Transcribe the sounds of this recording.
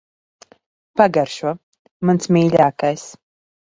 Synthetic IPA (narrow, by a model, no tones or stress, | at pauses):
paɡaɾʃuɔ | mansmʲiːlʲaːkajs